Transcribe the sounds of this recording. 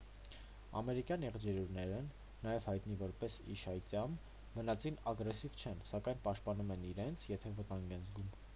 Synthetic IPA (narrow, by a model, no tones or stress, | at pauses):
ɑ̰mɛɾikjɑnɛʁd͡ʒɛɾuɾnɛɾə | nɑjɛvhɑjt̪nivɔɾpɛsḭʃɑjt̪jɑm | vənɑt͡sinɑɡɾɛsivt͡ʃʰɛnsɑkɑjnpɑʃt̪̚pɑnumɛniɾɛnt͡sʰjɛt̪ʰɛvət̪ɑŋɡɛnzɡum